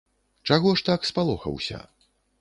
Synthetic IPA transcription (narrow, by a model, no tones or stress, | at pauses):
t͡ʂaɣɔʂt̪akspalˠɔxɐ̰wsʲɐ̰